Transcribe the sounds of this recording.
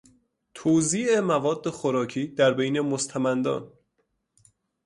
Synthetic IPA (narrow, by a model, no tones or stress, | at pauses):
t̪ʰoːziːʔemævɒːd̪ːe̞xoɾɒːcʰiːd̪æɾbejne̞most̪ʰæmænd̪ɒ̰ːn